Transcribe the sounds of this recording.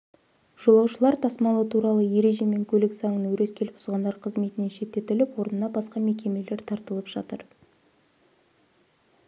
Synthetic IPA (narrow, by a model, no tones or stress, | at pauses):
ʒ̥o̞lˠɑwʃəlˠɑɾt̪ʰɑsmɑlˠət̪ʰuɾɑlˠəje̞ɾe̞ʒe̞me̞ŋkʲʰɵleksɑŋənwɵɾe̞skʲʰe̞lɪpbʊzʁɑnd̪ɑɾqʰəzme̞t̪ɪneʃe̞t̪ːe̞t̪ʏlɪpwo̞ɾənənɑbɑsqɑme̞kʲe̞me̞le̞ɾt̪ʰɑɾt̪əlˠəpʒ̥ɑt̪əɾ